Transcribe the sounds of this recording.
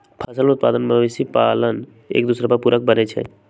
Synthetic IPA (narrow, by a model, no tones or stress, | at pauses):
pʰəsəlʊt̪̚paːd̪ənmeʋisipaːlən | ḛːk̚d̪uːsɾapəɾpuːɾək̚bənet͡ʃʰɛ̰